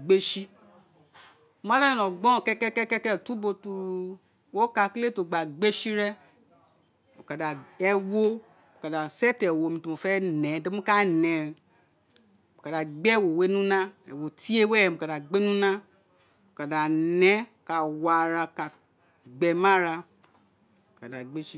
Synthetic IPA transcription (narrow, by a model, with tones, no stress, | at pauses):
ɡ͡be˦ʃi˦ | mã˦la˦ĩ˨lɔ̃˨ɡ͡bɔ̃˦˨kɛ˦kɛ˦kɛ˦kɛ˦kɛ˦˨tu˦bo˧tu˧ | wo˦ka˧kle˦˨to˨ɡ͡ba˨ɡ͡be˦ʃi˦ɾɛ˦ | mo˨ka˨da˨ɛ˧wo˦ | mo˨ka˨da˨sɛ˦tɛ˨wo˨mĩ˧tu˧mo˨fɛ˦nɛ̃˨˦de˦mũ˦ka˦˨nɛ̃˧˨ | mo˨ka˨da˨ɡ͡bɛ˦˨wo˨we˨˦nũ˦nã˦ɛ̰˨wo˨ti˦e˦wɛ˦ɛ˧˨mo˨ka˨da˨ɡ͡be˦nũ˦nã˦ | mo˨ka˨da˨nɛ̃˨˦˨ka˧wa˧ɾa˧ka˧ | ɡ͡bɛ˧mã˦ɾa˧ | o˨ka˨da˨ɡ͡be˦ʃi˦